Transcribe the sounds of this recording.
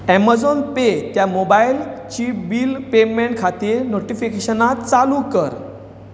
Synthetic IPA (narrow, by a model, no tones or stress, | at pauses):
ɛmad͡zonpet̪jamobajlt͡ɕiːbiːlpemẽɳʈ̚kʰat̪iːɾnoʈifikeɕənat̪t͡salukəɾ